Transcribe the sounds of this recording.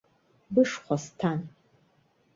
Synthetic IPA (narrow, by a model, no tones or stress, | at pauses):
bɨʂχʷɔstʰan